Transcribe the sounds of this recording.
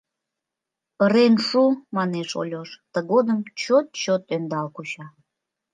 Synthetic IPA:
pəɾenʃumɑneʃo̰lʲoʃt̪əɣod̪əmt͡ɕot̪̚t͡ɕot̪ønd̪ɑlkut͡ɕɑ

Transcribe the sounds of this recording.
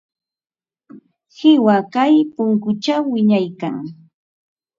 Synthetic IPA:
hɪwakajpʊŋkʊt͡ʃawːɪɲajka̰ŋ

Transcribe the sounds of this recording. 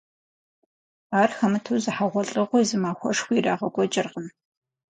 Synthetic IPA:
aːrxɐmɨtʰuwzɨħaʁʷɔɬʼɨʁʷʊjzɨmaːxʷɔ̰ʂxʷiːraːʁɐɡʷʼɔd͡ʒʼɪrʁən

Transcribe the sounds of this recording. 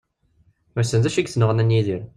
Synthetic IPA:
mæsənzæʃiɡθnəʁənænjiðiɾ

